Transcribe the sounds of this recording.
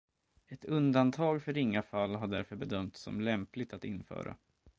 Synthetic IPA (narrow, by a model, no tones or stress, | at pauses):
ɛt̪ɵnd̪ant̪ʰɑːɡfœɾɪŋːafalːɦaɖæɾfœɾbɛd̪œmt̪sɔ̰mlɛmplɪɡt̪at̪ɪnːfœ̰ːɾa̰